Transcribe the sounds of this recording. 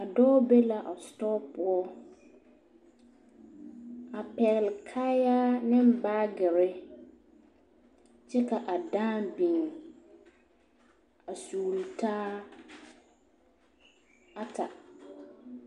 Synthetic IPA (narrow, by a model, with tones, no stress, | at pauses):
a˨dɔː˦be˦la˨ʔa˨stɔː˦pʊ˦ɔ˦ | a˨pɛ˨lkʰaː˦ja˦nɪ̃˦m˦baː˦ɡɪ˨ɾɪ˦ | t͡ʃɛ˦ka˨ʔa˨dãː˦bi˨ŋ˨ | a˨suː˨ltʰaː˦ | a˦tʰa˨